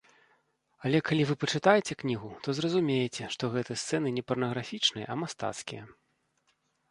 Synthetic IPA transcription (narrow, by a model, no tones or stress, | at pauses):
ɐlʲɛkalʲivɨpɐt͡ʂɨt̪ajɛt͡sʲɛknʲiɣut̪ɔzrɐzumʲejɛt͡sʲɛʂt̪ɔɣɛt̪ɨjst̪sɛn̪ɨnʲɛpɐrnɐɣɾafʲit͡ʂnɨjɐ̰ʔɐmast̪a̰t̪skʲijɐ̰